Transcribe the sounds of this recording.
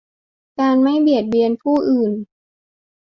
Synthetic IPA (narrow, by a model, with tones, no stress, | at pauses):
kaː˧nma˥˩jbi˨˩ət̪̚bi˧ənpʰuː˥˩ʔɯː˨˩n